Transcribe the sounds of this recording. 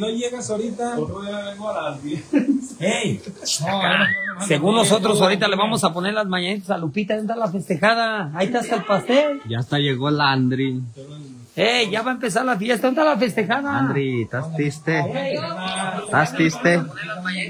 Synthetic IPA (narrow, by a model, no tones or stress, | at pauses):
nojeɣasoɾit̪a | a | e | aseɣunlo̞sot̪ɾosoɾit̪̬aleβamo̞sapo̞neɾlazmãɲanit̪̬asalupit̪aonet̪alafe̞st̪exað̞aːit̪ast̪alpast̪elʝast̪aʝeɣoland̪ɾi | eʝaβaempe̞s̬aɾlafijest̪aond̪t̪alafe̞st̪e̞xaðad̪ɾit̪ast̪ist̪e | t̪ast̪ist̪elmaɲa